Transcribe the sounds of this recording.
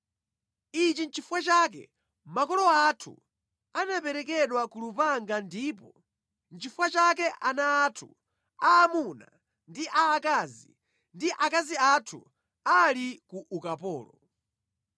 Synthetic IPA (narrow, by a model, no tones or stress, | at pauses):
it͡ʃint͡ʃʰifuwat͡ʃak̬ɛ̰ | makɔlɔatʰṵ | anapɛɾɛkɛɗwakulupaŋɡandiːpɔ | nt͡ʃʰifuwat͡ʃakɛʔanaːtʰu | aːmuna̰ | ndiʔaːkazi | ndiʔakaziatʰṵ | alikuʔukapɔ̰ːlɔ